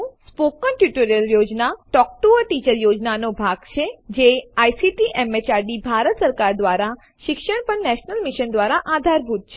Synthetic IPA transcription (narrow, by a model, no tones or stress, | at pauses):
spokːənʈjuʈəɾijəljod͡ʒnaʈɔk̚ʈuəʈit͡ʃəɾjod͡ʒnanobʱaɡt͡ʃʰed͡ʒeajsiʈiʔɛmet͡ʃaɾɖibʱaɾət̪səɾkaɾd̪ʋaɾa | ʃɪkʃəɳpəɳnɛʃnəlmiʃənd̪ʋaɾaʔad̪ʱaɾbʱut̪̚t͡ʃʰe